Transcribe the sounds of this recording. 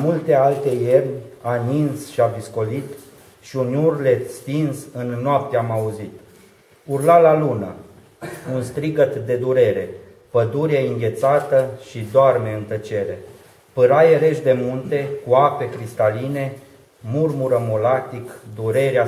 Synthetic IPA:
mult̪e̞alt̪e̞jernʲaninsʃiavisko̞lit̪ | ʃiunurle̞t̪st̪insɨnːoap̚t̪eamauzit̪ | urlalalunə̰ | unst̪ɾiɡət̪d̪e̞d̪uɾe̞ɾe̞ | pəd̪uɾieɨŋɡʲe̞t̪sat̪əʃid̪oarme̞ɨnt̪ət͡ʃe̞ɾe̞ | pɨɾajeɾe̞ʃd̪e̞munt̪e̞kuape̞kɾist̪aline̞ | murmuɾəmolat̪ikd̪uɾe̞ɾea

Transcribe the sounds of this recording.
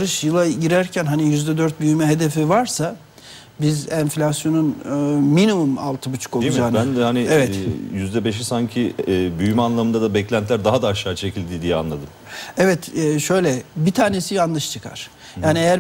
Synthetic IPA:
ɾɯʃjɯlˠaɟiɾæɾcʰænɦanijyzd̪ɛd̪øɾt̪̚byjymɛɦe̞d̪e̞fivaɾsa | bizænflʲasjo̞nunɯminimuma̰lˠt̪ʰɯbut͡ʃʰu̥kozaːnbæand̪ɛhanievɛt̪jyzd̪ɛbeʃ̬isaɲcʰiːbyjymɛanlˠamɯnd̪ad̪abɛclʲænt̪læɾd̪aɦad̪aːʃːaːt͡ʃʰe̞cilʲd̪iːd̪ijɛa̰nlˠad̪ɯm | ɛvɛt̪ɛːʃø̞jlʲɛbit̪ʰaːne̞sijanlˠɯʃt͡ʃʰɯkʰa̰ɾ̥ | jaːniejæɾ

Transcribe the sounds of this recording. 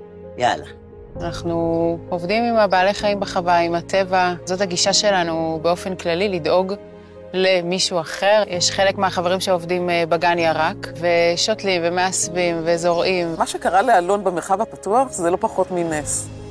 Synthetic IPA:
ja̰la̰ | anaχnuovdimimabaːleχaimbeχavaimatʰe̞vazo̞thaɡiʃaʃe̞lanubeo̞fe̞nklalilido̞ɡ | le̞miʃuaχe̞ʁjɛʃχe̞le̞kmeaχave̞ʁimʃeovdimbaɡanjaʁakve̞ʃo̞tlimvemeasvimvezo̞ʁʔimmaʃekaʁalealo̞nbemeʁχavapatuaχzelo̞paχo̞tmines

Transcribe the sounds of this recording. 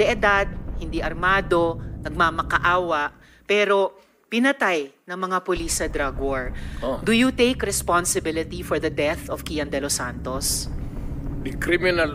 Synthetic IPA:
d̪ɛʔɛd̪ad̪̚hɪnd̪iʔɐɾmaːd̪o̞nɐɡ̚mamɐkɐʔaːwɐʔ | pɛːɾo̞ | pɪnɐt̪ajnɐŋmɐŋapʊlisɐd̪ɾaɡwoɹd̪ʊjut̪ejkɾɛspansɪbɪlɪt̪ifɔɹðɐd̪ɛθɔfkijɐnd̪ɛlosant̪os | dɪkɾimɪnɐl

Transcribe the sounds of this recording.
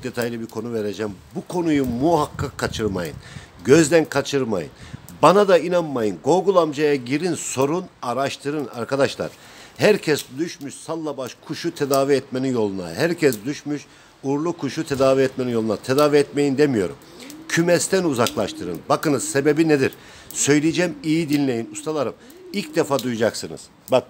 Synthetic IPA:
d̪et̪ʰajlʲˠɯbiɾkʰo̞nuveɾed͡ʒɛmbukʰo̞nujumuɦakʰːakʰːat͡ʃʰɯɾma̰jɯ̰nɟøzd̪ænkʰat͡ʃʰɯɾma̰jɯ̰nbanad̪ainanmajɯnɡo̞lˠɡulˠamd͡ʒajaɟiɾinso̞ɾunaɾaʃt̪ʰɯɾɯna̰ɾkad̪aʃlˠa̰ɾ̥ | hæɾcʰɛsd̪yʃmyʃsalˠːabaʃkʰuʃut̪ʰed̪aːviɛt̪me̞ninjo̞lˠuna̰ɦæɾcʰɛs̬d̪yʃmyʃ | uɾlˠukʰuʃut̪ʰed̪aːviɛt̪meninjo̞lˠunat̪ʰed̪aːviɛt̪me̞jind̪emijo̞̰ɾṵm | cʰymɛst̪ʰænuzaklˠaʃt̪ʰɯɾɯ̰nbakɯnɯz̥sebe̞bined̪iɾ | sø̞jlʲijd͡ʒɛmijid̪inlʲe̞jinust̪ʰalˠaɾɯm | ilʲcd̪efaːd̪ujud͡ʒaksɯnɯ̰z̥ | bak

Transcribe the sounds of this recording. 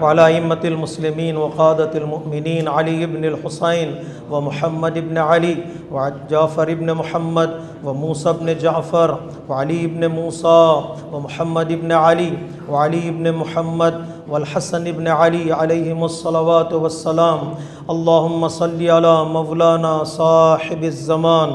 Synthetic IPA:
wɐalaɐɪmːɐt̪ɪlmʊslɪmiːnwɐqaːd̪ɐt̪ɐlmʊʔmɪniːnʕaliɪbnɪlħʊseːn | wɐmʊħɐmːɐd̪ɪbneʕɐli | wd͡ʒaːfɐɾɪbnemʊħɐmːɐd̪ | wɐmuːsaːɪbned͡ʒaʕfɐɾ | wɐʕaliɪbnemuːsawɐmʊħɐmːɐd̪ɪbneʕɐli | wɐʕaliɪbnemʊħɐmːɐd̪ | wɐlħasɐnɪbneʕaliʕɐleːɦɪmɐsˤːɐlɐʋaːt̪wɐsːɐlaːm | ɐlːaːɦʊmːɐsˤɐlːiːalaːmɐwlaːnaːsˤɑːħɪbɪzːɐmaːn

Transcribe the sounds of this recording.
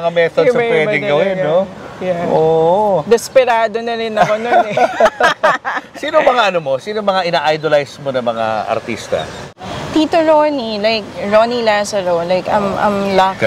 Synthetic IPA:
ŋamɛθodsɐɐpwɛmd̪ɪŋɡɐwɪnːojaʔod̪ɛspɛɾaːd̪onɐɾɪnɐkononɛ | siːnoŋmɐŋaʔɐnomo̞siːnomɐŋaʔɪnaːʔajd̪olajsmo̞nɐŋmɐŋa̰ʔɐ̰ɾt̪ḭst̪ɐ̰ | t̪iːt̪oɹonilajk̚ɹonilasɐɹolajkɐmʔɐ̰mlɐ

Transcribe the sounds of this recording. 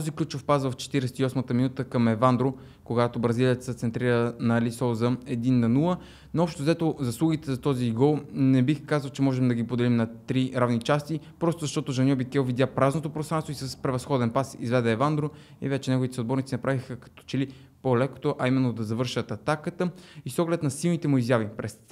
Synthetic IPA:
t̪ɔziklʲut͡ʃofpasvəft͡ʃɛ̥t̪iɾɛsɛ̥t̪iɔsmət̪əminut̪əkɐmɛvand̪ɾo | koɡat̪obɾɐziliət̪əsɛt̪sɛnt̪ɾiɾənɐlisɔzəɛd̪inːɐnulˠə | noɔpʃt̪ozɛt̪ozɐslˠuɡit̪ɛzɐt̪ɔziɡɔlˠnɛbixkazəlˠt͡ʃɛmɔʒɛmd̪ɐɡipod̪ɛlimnɐt̪ɾiɾavnit͡ʃast̪ipɾɔst̪ozɐʃt̪ɔt̪oʒɐnʲɔbikɛwˠvid̪ʲjapɾaznot̪opɾost̪ɾant̪oisəspɾɛvɐsxɔd̪ɛnpasḭzvɛd̪ɛːvand̪ɾo | ḭvɛt͡ʃɛnɛɡovit̪ɛsod̪bɔɾnit̪inɐpɾavixəkɐ̥t̪ɔ̥t͡ʃɛli | polɛko̥t̪oʔɐimɛnːod̪ɐzɐvɤɾʃət̪ɐt̪akət̪əisɔɡlɛt̪nɐsilˠnit̪ɛmuizjavipɾɛs

